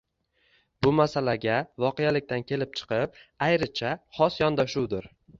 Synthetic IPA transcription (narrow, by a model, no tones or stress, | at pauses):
bʊmasalaɡʲavɒqejalɪk̚ʲt̪ankʲʰe̞lɪp̚t͡ʃʰɨ̥qɨp̚ajɾɪt͡ʃʰaχɒsjɒnd̪aʃuwd̪ɪɾ